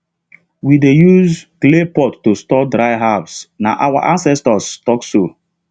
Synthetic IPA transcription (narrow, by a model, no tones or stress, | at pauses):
widejuzklepɔtːostɔdɾaɪɦavsna̰ʔawa̰ʔãnsɛstɔstɔkso